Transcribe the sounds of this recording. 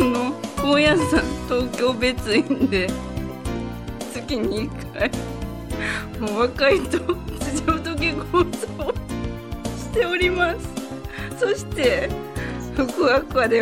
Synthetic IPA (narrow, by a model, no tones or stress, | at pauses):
noojasãnt̪o̞ːkʲo̞ːbe̞t͡sɨind̪e̞ | t͡sɨkʲiɲ̟iːkʰ | ai | moβakait̪ot͡sɨʑoːt̪ok̬ʲekoso | ɕi̥t̪e̞oɾʲimasɨ̥so̞ɕi̥t̪e̞ | hokɯakɯ̟βad̪e